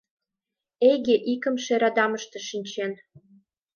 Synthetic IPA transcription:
ejɣeʔikə̆mʃeɾɑd̪ɑməʃt̪eʃinʲt͡ɕen

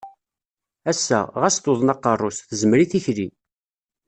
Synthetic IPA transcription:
æsːæ̰ʁæst̪oðˤnɑqːərˤːosθəzəmɾiθiçli

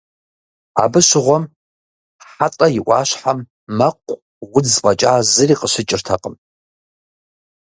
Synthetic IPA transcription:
a̰bɨʃɪʁʷɔm | ħatʼɐjɪʔʷɑ̰ːʃħamː | ɐqʷʼ | wʊd͡zpʼɐt͡ʃʼaːzɨriːqəʃʷɪt͡ʃʼɪrtʰɐqʼəm

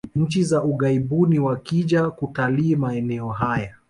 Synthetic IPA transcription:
ɲ̩t͡ʃizaʔuɠaiɓuniwakiʄakutaliːmaɛnɛɔɦaja

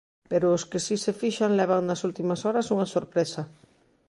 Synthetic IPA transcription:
peɾʊːskɪsisefiʃaŋlɛβ̞aŋnɐsult̪imɐsɔɾɐsuŋɐsoɾpɾesa

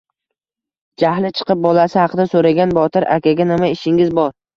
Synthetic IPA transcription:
d͡ʒahlɪt͡ʃʰɨ̥qɨp̚bɒlasɪhɑqɨd̪asoɾaɡʲanbɒt̪ʰɪɾʔa̰kʲʰaɡʲanɪmaɪʃɪŋɪzbɒɾ

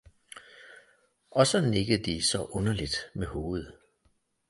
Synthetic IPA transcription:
ʔɒ̽sɒ̽ne̝ɡ̥əð̩ˠd̥isɒ̽ʔɔ̽nɐlid̥meho̝ːð̞̩ˠ

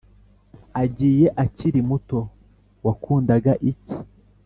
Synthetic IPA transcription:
aɟiːje̞ʔaciɾimuto̞ | wakuːndaɡaʔici̥

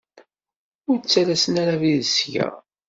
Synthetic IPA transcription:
ʊɾt͡sːaɾæsənaɾaviðəsʝæ̰

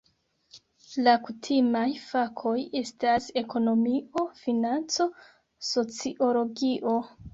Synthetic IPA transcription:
lakutʰimajfakʰo̞je̞stase̞ko̞no̞mio̞finant͡so̞ | so̞t͡siʔo̞lo̞ɡiʔo̞

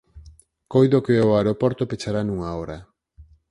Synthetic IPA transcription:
kojðokeoaɾopoɾt̪opet͡ʃaɾanuŋaoɾa

